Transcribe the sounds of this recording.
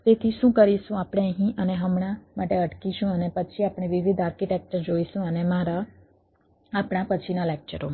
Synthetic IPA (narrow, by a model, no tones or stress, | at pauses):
t̪et̪ʰiʃũkəɾiʃũapɽ̃eəɦĩʔəneɦəmɳ̃amaʈeəʈkiʃũənepət͡ʃʰiapɽ̃ẽʋiʋid̪aɾkiʈɛk̚t͡ʃəɾd͡ʒoiʃũənemaɾa | apɽ̃apət͡ʃʰinalek̚t͡ʃəɾoma